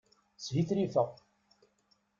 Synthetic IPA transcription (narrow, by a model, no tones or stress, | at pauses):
sviθɾifəʁ